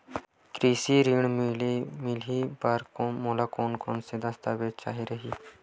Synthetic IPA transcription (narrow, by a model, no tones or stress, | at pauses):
kɾiːsiɾiɳ | mɪlipaɾkomoːlaːkoːnkoːnsed̪əst̪ʰaːʋet͡ʃa̰ːɦiɾəɦiː